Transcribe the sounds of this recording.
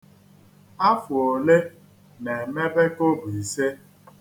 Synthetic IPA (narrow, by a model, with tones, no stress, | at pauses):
a˦fʊ˨o˨le˦ | ne˨me˦be˦ko˦bu˨i˨se˦